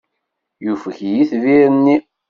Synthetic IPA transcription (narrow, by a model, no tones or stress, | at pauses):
jufəçjiθviɾənːi